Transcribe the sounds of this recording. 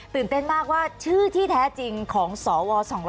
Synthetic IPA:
t̪ɯ˨˩nt̪e˥˩nmaː˥˩k̚waː˥˩t͡ɕʰɯː˥˩t̪ʰiː˥˩t̪ʰɛː˦˥t͡ɕi˧ŋkʰɔː˩˦ŋsɔː˩˦wɔː˧sɔː˩˦ŋɾ

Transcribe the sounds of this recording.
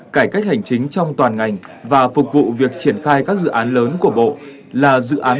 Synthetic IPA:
kaː˧˩jka˦˥jk̟̚ha˨˩jŋ̟t͡ɕï˨˦ŋ̟t͡ɕɔ˧wŋ͡mt̪waː˨˩nŋa˨˩jŋ̟ | vaː˨˩fʊ˨˩k̚vṵ˧˨vi˨˩ək̚t͡ɕi˧˩ənxaː˧jkaː˦˥k̚zɨ̰˧˨ʔaː˨˦nləː˨˦nku˧˩əɓo̰˧˨ | laː˨˩zɨ̰˧˨ʔaː˨˦

